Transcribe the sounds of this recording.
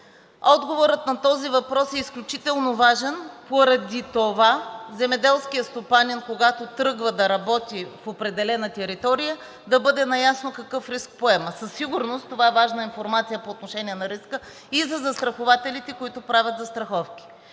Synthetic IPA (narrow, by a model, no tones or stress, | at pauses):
ɔd̪ɡovoɾət̪nɐt̪ɔzivɐpɾɔsɛisklʲʊt͡ʃit̪ɛlˠnovaʒɛnpoɾɐd̪it̪ovazɛmɛd̪ɛlˠskijəst̪opanʲinkoɡat̪ot̪ɾɤɡvəd̪ɐɾɐbɔt̪ifopɾɛd̪ɛlɛnɐt̪ɛɾit̪ɔɾijə | d̪ɐbɤd̪ɛnɐjasnokɐkɤfɾisk̚poɛməsəsːiɡuɾnost̪ovaɛvaʒnəinfoɾmat̪sijəpoːt̪noʃɛniɛnɐɾiskə | izɐzɐst̪ɾɐxovat̪ɛlit̪ɛkoit̪ʊpɾavʲɐt̪zɐst̪ɾɐxɔfkʲi̥